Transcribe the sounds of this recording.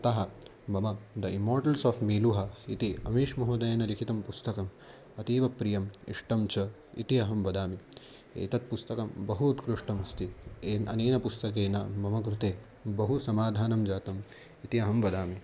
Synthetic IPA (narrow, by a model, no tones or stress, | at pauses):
ɐt̪ɐɦɐ | mɐmɐd̪ɐimːoːɾʈɐlsɔːfmiːluɦɐit̪iɐ̰miːʃmɐɦuːd̪ɐjɐnɐlikʰit̪ɐmpust̪ɐkɐm | ɐt̪iːʋɐpɾijɐmḭʂʈɐmt͡ʃɐ | ḭt̪iɐɦɐmʋɐd̪aːmi | ḛːt̪ɐt̪̚pust̪ɐkɐmbɐɦut̪kɾuʂʈɐmɐst̪iɐ̰neːnɐpust̪ɐkeːnɐmɐmɐkɾut̪eː | bɐɦusɐmaːd̪ʱaːnɐmd͡ʒaːt̪ɐm | it̪iɐɦɐmʋɐd̪aːmi